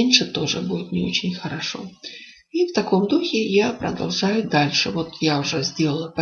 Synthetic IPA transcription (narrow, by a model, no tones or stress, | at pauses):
enʲʂɨt̪o̞ʐɨbudʲɪt̪nʲɪo̞̰t͡ɕɪnʲxəɾɐʂo̞̰ | ift̪ɐko̞md̪uxʲɪjapɾə̰d̪ɐa̰lˠʐajʊd̪alʲʂɨvo̞t̪jaʊʐɛzʲdʲe̞lˠəlˠəpɐ